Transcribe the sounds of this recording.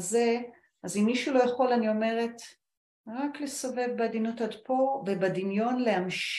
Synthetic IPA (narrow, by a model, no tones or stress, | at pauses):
ze̞ | azimːiʃulo̞jaχo̞lanio̞me̞ʁe̞t | ʁakle̞sove̞vbead̪inutadpove̞bad̪injo̞nle̞amʃ